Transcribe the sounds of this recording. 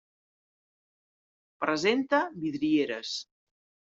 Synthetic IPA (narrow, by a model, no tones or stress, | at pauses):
pɾəzent̪əβiðɾieɾəs